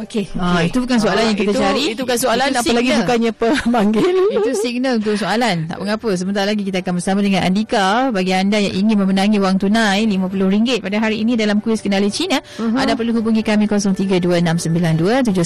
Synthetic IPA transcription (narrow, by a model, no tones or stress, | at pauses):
okeait̪ubukans̬oalanjãŋkit̪at͡ʃaɾit̪ubukansoalaasalaɡisukaɲapəmaŋɡelit̪usiɡ̚nəlunt̪usoalant̪a̰ʔpəŋapəs̬əmənt̪aɾalaɡikit̪aakanbərsamadəŋanʔa̰ndikabaɡiandajaŋʔiŋɪnmə̃mənaŋiwaŋt̪unãjlimãpulʊhɾiŋɡɪt̪̚padaɦaɾiːnidalamkuwiskənalət͡ʃinə | adapərluɦubuŋĩkamĩkosɔŋt̪iɡaduəənamsəmbilanduət̪̬ud͡ʒʊ